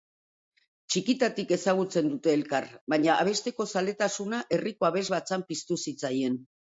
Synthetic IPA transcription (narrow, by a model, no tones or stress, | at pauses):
t͡ʃikit̪at̪ike̞saɣ̞ut͡se̞nd̪ut̪e̞ːlkaɾβaɲaʔaβ̞e̞st̪e̞ko̞sale̞t̪asunaʔe̞riko̞aβ̞e̞zβat͡sampist̪usit͡saje̞n